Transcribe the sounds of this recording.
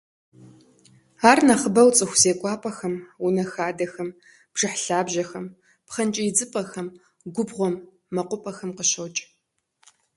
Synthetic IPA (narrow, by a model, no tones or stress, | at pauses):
aːrnɐχəbɐwt͡sʼɨxʷz̥eːkʷʼɑːpʼɐxɐmunɐxaːdɐxɐm | b̥ʐ̥ɨħɬaːbʑɐxɐm | pχɐnt͡ʃʼɐjɪd͡zɨpʼɐxɐm | ɡʷʊbʁʷɔmː | ɐqʷʊpʼɐxɐmqəɕɐwt͡ʃʼ